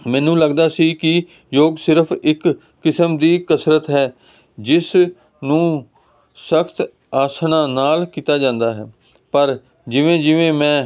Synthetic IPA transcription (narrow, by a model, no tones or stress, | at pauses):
mɛ̃ːnũːləɡd̪aːsiːkɪ | joːɡsɪɾəpʰɪkː | ɪsəmd̪iːkəsɾət̪ɦɛː | d͡ʒɪs | nũː | səkʰt̪ | aːsɳãːnaːlkiːt̪aːd͡ʒãːnd̪aːɦɛ̰ː | pəɾ | d͡ʒɪʋẽːd͡ʒɪʋẽːmɛ̃ː